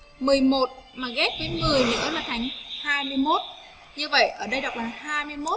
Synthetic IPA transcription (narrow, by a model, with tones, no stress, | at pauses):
mɨ˨˩əjmo˨˩t̚maː˨˩ɣɛ˦˥p̚vəː˨˦jŋɨ˨˩əjnɨ̰˧˥ə˦jmaː˨˩t̪ʰa˨˩jŋ̟haː˧jmɨ˧əjmo˦˥t̚ | ɲɨ˧və̰˧˨jʔəː˧˩ɗə˧jɗa˨˩k͡p̚laː˨˩ɦaː˧jmɨ˧əjmo˦˥